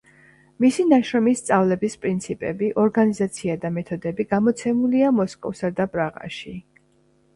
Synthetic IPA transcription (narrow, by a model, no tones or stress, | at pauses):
misinaʃɾɔmist̪sʼavlɛbispʼɾint̪sʰipʼɛbiʔɔɾɡanizat̪sʰiad̪amɛt̪ʰɔd̪ɛbiɡamɔt̪sʰɛmuliamɔskʼɔ̰fsad̪apʼɾaʁa̰ʃi